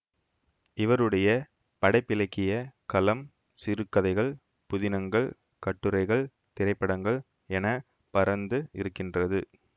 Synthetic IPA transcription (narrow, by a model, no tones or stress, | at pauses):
ɪʋɐɾɯɽɐjɐ | pɐɽɐɪpːɪlɐɪkːɪjɐkɐlɐm | sɪɾɯkːɐðɐɪɣɐɭ | pʊðɪnɐŋɡɐɭ | kɐʈːɯɾɐɪɣɐɭ | t̪ɪɾɐɪpːɐɽɐŋɡɐɭ | ɛnɐ | pɐɾɐnd̪ɯɪɾɯkːɪndrɐðɯ